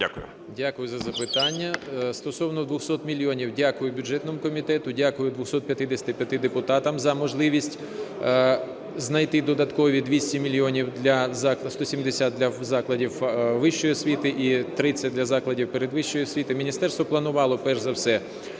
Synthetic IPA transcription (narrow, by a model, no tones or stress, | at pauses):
dʲakʊjʊ | dʲakʊjʊzɐzɐpɪt̪ɑnʲːɐst̪ɔsɔwnɔd̪ʋʊxsɔt̪mʲilʲiɔnʲiwdʲakʊjʊbʲʊd͡ʒɛt̪nɔmʊkɔmʲit̪ɛt̪ʊdʲakʊjʊd̪ʋʊxsɔt̪pjɐt̪ɪd̪esʲɐt̪ɪpʲjɐt̪ɪd̪epʊt̪ɑt̪ɐmzɐmɔʒlˠɪʋʲisʲtʲ | znɐjt̪ɪd̪ɔd̪ɐt̪kɔʋʲid̪ʋʲisʲtʲimʲilʲjiɔnʲiwd̪lʲɐzɑkst̪ɔsʲimd̪esʲad̪̚d̪lʲɐzɑklˠɐdʲiwʋɪʃt͡ʃɔjsʲʋʲit̪ɪʔit̪ɾɪt͡sʲːɐd̪lʲɐzɑklˠɐdʲiwpeɾed̪ʋɪʃt͡ʃːɔjɔsʲʋʲit̪ɪmʲinʲist̪ɛrst̪ʋɔplˠɐnʊʋɑlˠɔpɛrʒzɐwsɛ